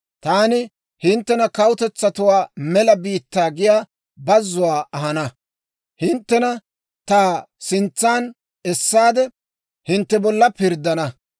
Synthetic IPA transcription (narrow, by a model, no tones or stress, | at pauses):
t̪aːnɪ | hɪnt̪ːɛnɐkɐwʊt̪ɛt͡sːɐt̪ʊwaːmɛlɐbiːt̪ːaːɡɪjaː | bɐzːʊwaːɐhɐnɐ | hɪnt̪ːɛnɐ | t̪aː | sɪnt͡sːaːn | ɛsːaːd̪ɛ | hɪnt̪ːɛbɔlːɐpɪɾd̪ɐnɐ